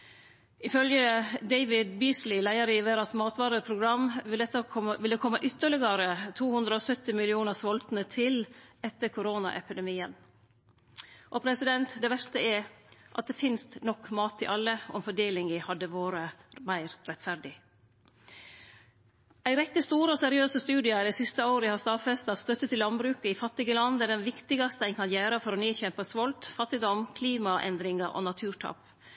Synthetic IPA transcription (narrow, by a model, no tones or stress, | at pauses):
ɪfœljəd̪æɪʋɪd̪biːslɪlæɪəɾɪʋeːɾɑsmɑːt̪ʋɑːɾəpʰɾʊɡɾɑmɛt̪ːəʋɪld̪əkʰɔmːəʔʏt̪ːəɭɪɡəɾət̪ʰuːhʉnd̪ɾəosœt̪ɪmɪlɪuːnəsʋɔlt̪nət̪ʰɪlɛt̪ːəɾkʰʊɾoːnɑ̰ʔɛ̰pɪd̪ɛmiːən | ʔɔpʰɾɛsɪd̪ɛnt̪d̪ɛːʋæʂt̪əɛʔɑt̪̚d̪eːfɪnst̪nɔkːmɑːt̪ʰːɪ̰ʔɑlːəɔ̰mfɔɖeːlɪŋəhɑd̪ːəʋoːɾəmæɪɾɾɛt̪fæɾd̪ɪ | ʔæɪɾɛkːəst̪uːɾəɔsɛɾɪøːsəst̪ʉːd̪ɪɑd̪ɛɪsɪst̪əoːɾəəhɑst̪ɑfɛst̪ɑt̪st̪œt̪ːət̪ʰːɪlɑnbɾʉːkəɪfɑt̪ːɪɡəlɑnd̪əæɖɛnʋɪkt̪ɪɡɑst̪əæɪŋkʰɑnjæːɾəfɔɾɔːniːçɛmpəsʋɔlt̪fɑt̪ːɪd̪ɔmkʰliːmɑʔɛ̰nd̪ɾɪŋɑʔɔ̰nɑt̪ʰʉːʈʰɑ̰p